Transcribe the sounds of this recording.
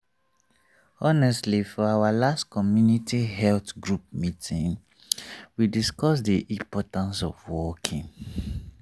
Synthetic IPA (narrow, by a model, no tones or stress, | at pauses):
ɔnɛstlifɔawalastkɔmjunitʰiɦɛltɡɹup̚mitʰĩn | widiskɔsdiʔĩpɔtãnsɔvwɔkʰĩŋ